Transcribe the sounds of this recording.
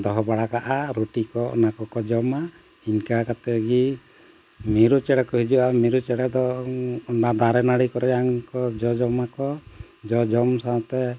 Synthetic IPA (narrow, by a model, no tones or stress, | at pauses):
d̪ɔɦɔbaɽakaʔaɾuʈikɔɔ̰nakɔkɔd͡ʒɔma | iɲkakat̪ɛɡi | miɾut͡ʃɛɽɛkɔɦid͡ʒuamiɾut͡ʃɛɽɛd̪ɔɔɳɖad̪aɾɛnaɽikɔɾɔaŋkɔd͡ʒɔd͡ʒɔmakɔ | d͡ʒɔd͡ʒɔmsaɔt̪ɛ